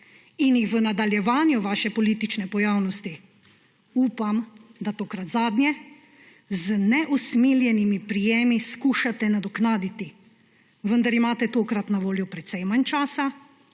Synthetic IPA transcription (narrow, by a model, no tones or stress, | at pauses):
injixʋənad̪aljɛʋaːnjuʋaːʃɛpɔliːt̪it͡ʃnɛpɔjaːwnɔst̪i | uːpamd̪at̪oːkɾat̪zaːd̪nʲjɛ | znɛʔusmiljɛnimipɾijeːmiskuːʃat̪ɛnad̪ɔknaːd̪it̪i | ʋənd̪aɾimaːt̪ɛt̪oːkɾat̪naʋoːljɔpɾɛt̪sɛjmant͡ʃaːsa